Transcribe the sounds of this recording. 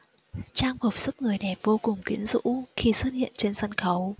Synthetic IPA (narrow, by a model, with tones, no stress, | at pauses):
t͡ɕaː˧ŋvo˨˩p̚su˦˥p̚ŋɨ˨˩əjnɛ˨˩vo˧kʊ˨˩ŋ͡mkwi˨˦ənzṵ˧˥xi˧˩swə˦˥t̚hḭ˧˨ənt͡ɕe˧nsə˧nxə˨˦w